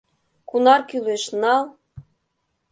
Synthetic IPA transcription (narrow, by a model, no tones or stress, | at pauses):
kunɑrkyleʃnɑlˠ